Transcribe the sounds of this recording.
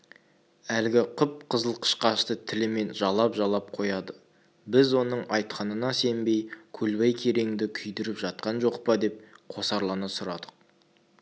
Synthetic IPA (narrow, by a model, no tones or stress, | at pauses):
ælɡʲɪqʰʊp̚qʰəzəlˠqʰə̥ʃqɑʃt̪ət̪ʰɪlɪme̞nʒɑlˠɑpʒɑlˠɑp̚qʰo̞jɑd̪ə | bɪzwo̞nəɴɑjt̪̚qʰɑnənɑse̞mbe̞jkʲʰɵlbɑjkʲʰe̞ɾe̞ŋɪd̪ɪkʲʰʏjd̪ɪɾɪpʒɑt̪̚qɑnʒo̞qpəd̪e̞p̚qʰo̞sɑɾlˠɑnɑsʊɾɑd̪əq̚